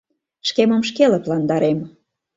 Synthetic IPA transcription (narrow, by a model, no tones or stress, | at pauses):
ʃkemə̆mʃkelə̆plɑnd̪ɑɾem